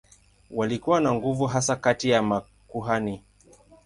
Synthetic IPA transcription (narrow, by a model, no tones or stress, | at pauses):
walikuwanaŋɡuvuɦasakatijama | kuɦani